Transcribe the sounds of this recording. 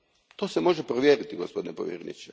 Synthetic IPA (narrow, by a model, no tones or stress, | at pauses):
t̪o̞ːsemo̞ʒepɾoʋjeːɾit̪iɡospo̞d̪inepoʋjḛɾenḭt͡ɕe